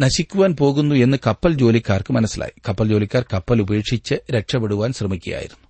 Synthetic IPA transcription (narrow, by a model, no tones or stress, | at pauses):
nɐɕikʲːuʋaːnpo̞ːɣunːue̞nːɨkɐpːɐld͡ʑo̞ːlikʲːaːrkɨmɐnɐsːilʔa̰ːjikɐpːɐld͡ʑo̞ːlikʲːaːrkɐpːɐlubɐejeːkʂit͡ɕːɨɾeʈʂɐbeɽuʋaːnsrɐmikʲːuja̰ːjḭɾunːu